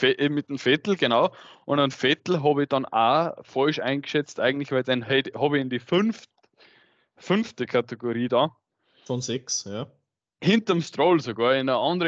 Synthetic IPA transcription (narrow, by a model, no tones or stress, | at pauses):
ʔemɪtəmfɛtl̩ɡ̥enaʊʔʊ̃ndənfɛtl̩ɦɑːbəɪd̥ɑ̃nafɔɪʃãɪ̃nɡə̥ʃɛt͡stʔa̰ɪɡŋ̩tlɪçv̥æɪldenɦɛthɑbəɪndiːfʏnft | fʏnftəkʰateɡoʁiːdɑ | fɔnzɛksja | hɪntəmstʁoːlsoɡɑːɐɪnəʔɑ̃ndəʁə